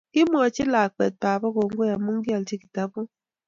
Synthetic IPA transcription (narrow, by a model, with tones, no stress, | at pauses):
kɪ˦m˦ɔ˨t͡ʃɪ˦la˨k͡pe˨t̚pa˨ba˦ko˨ŋ˦ɡʷo˦ja˨mu˦ŋ̩˦ɡi˦a˨lt͡ʃi˦ki̥˨ta˦bʊ˦